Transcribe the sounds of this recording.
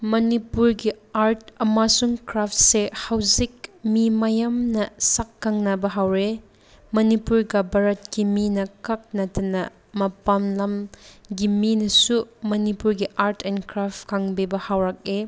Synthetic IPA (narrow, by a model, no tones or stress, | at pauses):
mɐnipuɾɡiaɾtɐmasuŋkɾap̚sehawzik̚mimajamnɐsakːaŋnɐbɐɦawɾe | mɐnipuɾɡɐbɐɾɐt̚kiminɐkɐk̚nɐtɐnɐ | mɐpamlɐmɡiminɐsumɐnipuɾɡiʔaɾtʰenkɾapkʰaŋbebɐhawɾak̚e